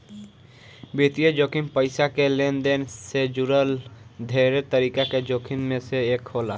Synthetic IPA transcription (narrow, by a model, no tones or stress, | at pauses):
beːt̪ijed͡ʒoːkʰɪnpəɪsakelend̪eːnsed͡ʒʊɾəld̪ʱeːɾet̪əɾiːkaked͡ʒoːkʰɪnmẽseeːkhoːla